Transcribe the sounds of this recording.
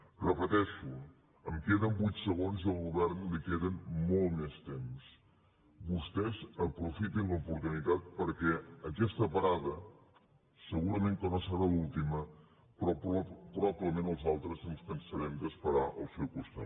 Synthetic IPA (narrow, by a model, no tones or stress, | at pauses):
rəpət̪ɛʃu | əmkeðəmbujt̪səɣ̞onziəlˠɣuβɛɾnlikeðənmolˠtmest̪ems | bust̪ɛzəpɾufit̪inləupuɾt̪unit̪at̪̚pəɾkɛəkɛst̪əpəɾaðə | səɣuɾəmeŋkənosəɾalulˠt̪imə | pɾɔpɾpɾɔpiəmenəlˠzalˠt̪ɾəzənspənsəɾɛmd̪əspəɾaʔə̰lˠsɛwkust̪a̰